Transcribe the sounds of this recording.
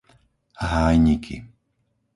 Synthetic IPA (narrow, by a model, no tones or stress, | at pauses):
ɦaːjɲikʰḭ